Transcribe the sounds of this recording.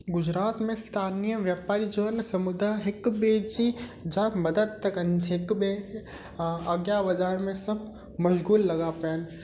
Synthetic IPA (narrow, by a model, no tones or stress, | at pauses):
ɡʊd͡ʑɾaːt̪mẽst̪ʰaːnijəʋjaːpaːɾid͡ʒoːnsɐmʊd̪aɦɪkbed͡ʒid͡ʒaːmɐd̪əd̪̚t̪ɐkənɦɪkbe | ɐɡjaʋɐd̪ʱaːɽmẽsɐb̚ | mɐʃɣuːlːɐɡapɐjən